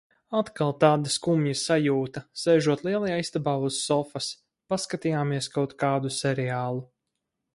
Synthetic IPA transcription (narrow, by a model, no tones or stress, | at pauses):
at̪kalˠt̪aːd̪askumjusajuːt̪ɐsɛjʒuɔt̪liɛlˠajaːist̪abaːuz̥ːɔfɐs | paskat̪ijaːmiɛskawt̪kaːd̪usɛɾɛaːlˠu